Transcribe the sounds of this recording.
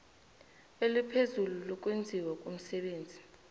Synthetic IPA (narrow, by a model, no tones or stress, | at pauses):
elipʰezululɔk̬ʼwend͡zʱiwakʼum̩sɛɓeːnd͡zʱi̥